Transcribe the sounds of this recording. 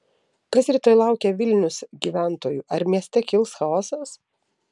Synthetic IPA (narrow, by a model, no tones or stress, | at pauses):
kɐsɾʲɪːt̪oːjlˠɑˑʊkʲɛʋʲɪlʲnʲʊsɡʲiːʋʲæˑnt̪oːjuːʔɐɾmʲiɛsʲt̪ʲɛkʲɪlˠsxɐɔːsɐs